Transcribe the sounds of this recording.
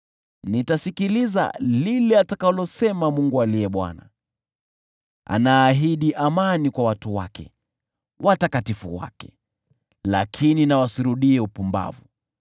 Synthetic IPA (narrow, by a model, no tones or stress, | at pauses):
nitasikiliza̰lilɛatakalɔsɛmamuŋɡualiɛɓwa̰na̰ | ʔa̰naːɦiɗiʔamanikwawatuwa̰kɛ̰ | wʔatakatifṵwa̰kɛ̥ | la̰kʰininawasiɾuɗiɛupumba̰vu